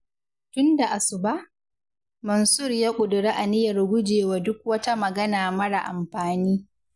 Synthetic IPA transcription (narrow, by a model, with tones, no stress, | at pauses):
tʊ˦nda˨ʔa˨sʊ˨ba˦ʔ | mɐ˨nsʊ˦˨rjaː˦kʷʼʊ˨dʊ˨ɽeː˦ʔa˨nɪ˦jɐ˨rɡʷʊ˦d͡ʒeː˨waː˦dʊ˦k̚wɐ˦ta˦mɐ˨ɡɐ˦naː˨mɐ˦ɽa˨ʔa̰˨mɸaː˨niː˦